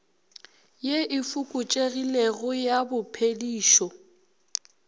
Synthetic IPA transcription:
jeʔɪfukʼʊt͡ʃʼeɣileɣʊjabʊpʰediːʃɔ

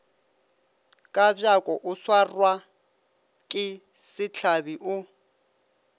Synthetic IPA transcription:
kʼabjakʼɔʔʊswarwa | kʼɪ | sɪt͡ɬʰabiʔʊ

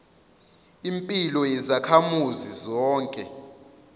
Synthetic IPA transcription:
impʼilɔjɛzakʰamuzizɔːŋkʼɛ

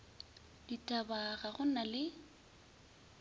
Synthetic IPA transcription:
ditʼabaɣaɣʊnalɪ

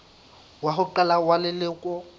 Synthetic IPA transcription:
waɦʊǃɛlawalɪlɪkʼɔ

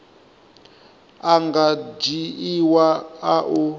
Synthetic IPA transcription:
aŋɡad͡ʒiiwaaʔu

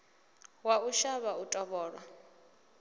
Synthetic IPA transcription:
wauʃaβautʼɔβɔːɺwa

